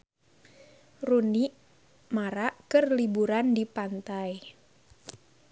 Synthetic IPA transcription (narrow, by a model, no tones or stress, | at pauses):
runiʔ | maɾaʔkərlibuɾandipant̪aj